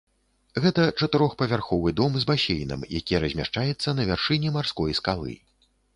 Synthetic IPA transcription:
ɣɛt̪ɐt͡ʂɐt̪ɨɾɔxpɐvʲarxɔvɨd̪ɔmzbasʲejnɐ̰mja̰kʲijɛɾɐzʲmʲa̰ʂt͡ʂajɛt̪sːɐnɐvʲarʂɨnʲɛmarskɔjskalˠɨ̰

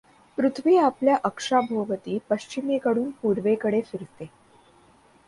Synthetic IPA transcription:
pɾut̪ʰʋiːapljaʔəkʂabʱoʋət̪iːpəɕt͡ɕimikəɽuːnpuɾʋekəɽefiɾst̪e

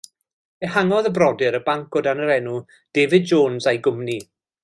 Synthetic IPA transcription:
ehaŋɔðəbrɔdɪɾəbaŋkɔdanəɾɛnu | d̥eːvɨd̚d͡ʒoːnzajɡʊmni

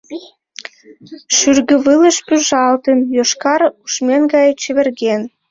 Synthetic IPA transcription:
ʃyrɣə̆βələʃpyʒɑlt̪ənjoʃkɑruʃmenɡɑjt͡ɕəβĕrɣen

